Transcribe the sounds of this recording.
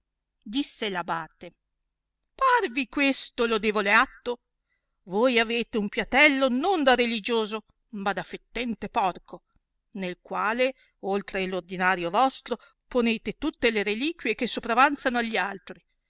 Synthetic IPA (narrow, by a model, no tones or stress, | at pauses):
d̪isːelabaːt̪e | parvikwest̪olod̪eːvoleat̪ːo | voːjaveːt̪eumpjat̪ɛlːonond̪arelid͡ʒoːzo | mad̪afet̪ːɛnt̪epɔrkʰo | nelkwaːle | olt̪ɾelord̪inaːɾjovɔst̪ɾo | poneːt̪et̪ut̪ːeleɾeliːkwjek̟esːopɾavant̪sanoaʎːialt̪ɾi